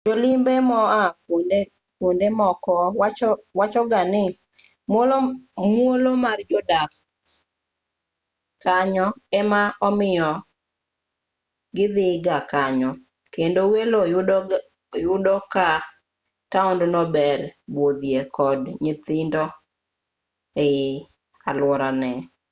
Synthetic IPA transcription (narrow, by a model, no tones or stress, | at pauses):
d͡ʒolɪmbɛmɔakonde | kwondemɔkɔwat͡ʃɔwat͡ʃɔɡanɪ | mwolomwolomard͡ʒɔdak | kaɲɔɛmaɔmɪɔ | ɡɪd̪ɪɡakaɲɔ | kendoweloj | jʊdɔka | taɔndnɔbɛrbwod̪jekɔdɲɪt̪ɪndɔ | e | alwɔɾanɛ